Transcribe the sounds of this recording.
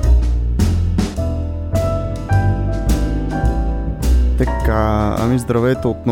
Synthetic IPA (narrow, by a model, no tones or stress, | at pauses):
t̪ɛkːaa̰mizd̪ɾavɛt̪oot̪no